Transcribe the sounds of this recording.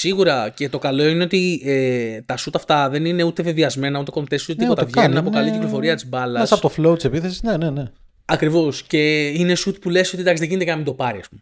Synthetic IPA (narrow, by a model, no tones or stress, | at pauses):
siɣuɾɐce̞t̪o̞kɐlo̞ine̞o̞t̪iet̪ɐsut̪ɐft̪ɐðe̞nine̞ut̪e̞ve̞viɐzme̞nɐut̪e̞ko̞mt̪esut̪et̪iot̪ɐɐvʝenunnɐpokɐliciklo̞fo̞ɾiɐt̪izbɐlɐsɐpot̪oflout̪isepiθesiznenene | ɐkɾivo̞sce̞ine̞sut̪pule̞so̞t̪id̪ɐksizðeʝint̪ejɐnɐmind̪opɐɾiɐspume